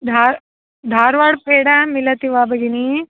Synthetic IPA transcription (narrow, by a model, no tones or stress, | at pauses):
d̪ʱaːɾ | d̪ʱaːɾʋaːɽpeːɽãmilɐt̪iʋaːbɐɡini